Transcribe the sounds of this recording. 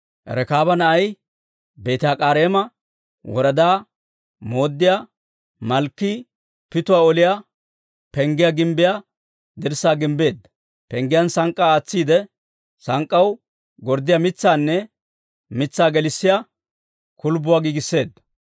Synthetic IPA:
ɛ̰ɾɛkaːbɐnɐʔɐj | be̞ːt̪ɪjaːkʼaːɾeːmɐ | wɔɾɐd̪aː | moːd̪ːɪja | mɐlkːi | pɪt̪ʊwaːɔlɪja | pɛŋɡɪjaɡɪmbɪja | d̪ɪɾsaːɡɪmbe̞ːd̪ːɐ | pɛŋɡɪjɐnsɐŋkʼːaːt͡sːiːd̪ɛ | sɐŋkʼːɐw | ɡɔɾd̪ɪjamɪt͡sːaːnːɛ | mɪt͡sːaːɡɛlɪsːɪja | kʊlbʊwaːɡiːɡɪsːe̞ːd̪ːɐ

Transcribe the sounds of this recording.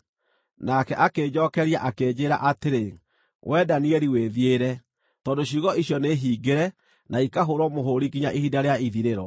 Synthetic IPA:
nakɛʔakeːd͡ʑɔkɛɾiaʔakeːd͡ʑeːɾa̰ʔateɾe | wʔɛdaniɛɾiweðieɾɛ | tɔndoɕiɣɔiɕjɔneɦiːɡeɾɛ | naikaɦoɾɔmoɦoɾikiɲaʔihidaɾeaiðiɾeɾɔ

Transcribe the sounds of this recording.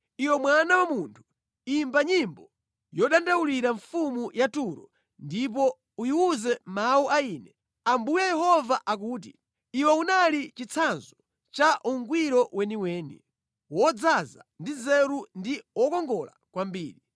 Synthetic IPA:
iwɛmwanawamuntʰu̥ | imbaɲimbɔ | jɔɗandawuliɾaɱfumujatuɾɔ | ndip̬ɔ | ujiuzɛmauʔaiːnɛ | ambujɛjɛɦɔvaʔak̬uːt̬i | iwɛunalit͡ʃit͡sʰanzɔ | t͡ʃaʔuŋɡwiɾɔwɛniwɛːnḭ | wɔd͡zaza̰ndizɛɾundiwɔkɔŋɡɔla̰kwambiːɾi

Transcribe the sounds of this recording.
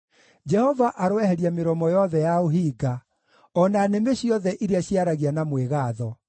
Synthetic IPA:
d͡ʒɛhɔvaʔaɾowɛhɛɾjameɾɔmɔjɔðɛjaoɦiːɡa | ɔnanemeɕiɔðɛʔiɾeaɕiaɾaɣianamweɣaːðɔ

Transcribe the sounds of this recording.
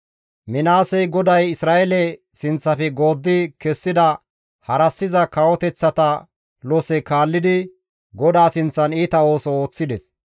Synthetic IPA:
mɪnaːsɛjɡɔd̪ɐjɪsɾaːʔɛlɛ | sɪnt͡sːɐfɛɡo̞ːd̪ːɪkɛsːɪd̪ɐ | hɐɾɐsːɪzɐkɐwɔt̪ɛt͡sːɐt̪ɐ | lɔsɛkaːlːɪd̪ɪ | ɡɔd̪aːsɪnt͡sːɐniːt̪ɐo̞ːsɔo̞ːt͡sːɪd̪ɛs

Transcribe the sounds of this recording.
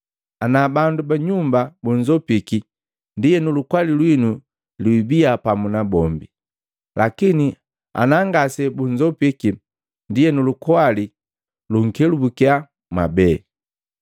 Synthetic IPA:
anabandubaɲumbabuɲd͡ʒɔpiki | ndiɛnulukwalilwinu | lwibiapamunabɔmbi | lakini | a̰naŋɡasɛbuɲd͡ʒɔpiki | ndijɛnulukɔali | luŋ̩kɛlubukia | mabɛ

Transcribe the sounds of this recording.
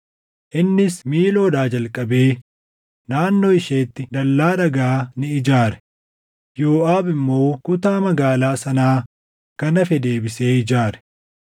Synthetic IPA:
ʔɪnːɪsmiːlo̞ːd̪aːd͡ʒɐlkʼːɐbe̞ː | naːnːoːɪʃeːt̪ːɪd̪ɐlːaːᶑɐɡaːnɪɪd͡ʒaːɾɛ̥ | jo̞ːʔaːbɪmːo̞ːkʊt̪aːmɐɡaːlaːsɐnaː | kɐnɐfɛd̪e̞ːbɪse̞ːɪd͡ʒaːɾɛ̥

